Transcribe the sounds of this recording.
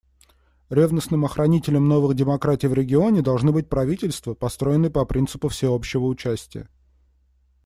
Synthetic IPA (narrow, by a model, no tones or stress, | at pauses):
ɾʲevnəsnɨmɐxɾʔɐnʲitʲɪlʲəmno̞vɨɣdʲɪmɐkɾatʲɪjvɾʲɪɡʲɪo̞nʲɪd̪ɐlˠʐnɨbɨt̚ʲpɾɐvʲitʲɪlʲst̪vəpɐst̪ɾo̞jɪnːəjpɐpɾʲint̪sɨ̥pʊfsʲɪo̞pɕːɪvəʊt͡ɕæsʲtʲɪjə̰